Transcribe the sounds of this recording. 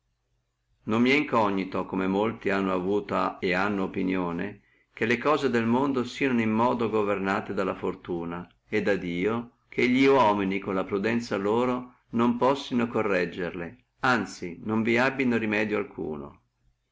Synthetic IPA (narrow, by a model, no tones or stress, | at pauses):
nomːiɛiŋkɔɲːit̪okomemolt̪ianːoavuːt̪aeanːoːpinjoːne | kelːekɔːzed̪elmond̪osiːanoimːɔːd̪oɡovernaːt̪ed̪alːafort̪uːna | ed̪ːad̪iːo | kʰeʎːiwɔminikonlapɾud̪ɛnt̪saloːɾo | nompɔsːinokorːɛd͡ʒːerle | ant̪sinoɱviabːinoɾimɛːd̪joalkʰṵːno̰